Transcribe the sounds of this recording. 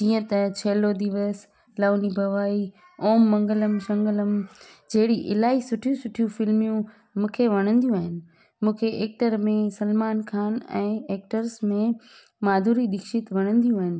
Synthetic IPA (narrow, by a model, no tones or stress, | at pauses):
d͡ʑiːə̃t̪ɐt͡ɕʰeːlod̪iʋəs | laːʊnibʱɐʋaːi | oːmːɐ̃ŋɡələmʃɐ̃ŋɡələmd͡ʑɐɦɪɽiʔɪlaːisʊʈʰijũsʊʈʰijũfɪlmijũ | mũːkʰeʋɐɽ̃ə̃nd̪ijũaːɦɪnɪ̆ | mũːkʰeʔeːk̚ʈəɾmẽsɐlmaːnkʰaːnɛ̰̃ːeːk̚ʈəɾsmẽ | maːd̪ʱuːɾid̪ɪkʃɪt̪ʋɐɽ̃ə̃nd̪ijũaːɦɪnɪ̆